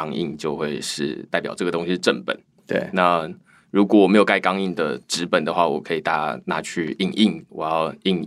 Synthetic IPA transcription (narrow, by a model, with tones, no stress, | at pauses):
ŋi˥˧ŋt͡ɕjo˥˧ʊxwe˥˧ɪʂɻ̩˥˧t̪a˥˩ɪpjɑ˨˩ʊʈ͡ʂɤ˥˩ɡə˩t̪o˥ŋɕi˧ʈ͡ʂə˥˩npə̰˨˦n | t̪ḛ˥˩na˥˧ | ɻu˧˥k̬wɔ˨˦wɔ˨˩me˧˥jo˨˩ʊka˥˧ɪkɑ˥ŋi˥˩ŋd̪ə̰˨ʈ͡ʂɻ̩˧˥pə˨˩nd̪ə˦xwa˥˩wɔ̰˨˩kʰɤ˧˥i˨t̪a̰˥˩na̰˥˧t͡ɕʰy˥˧i˥˩ŋi˥˩ŋwɔ˨˩jɑ˥˩ʊi˥˧˩ŋ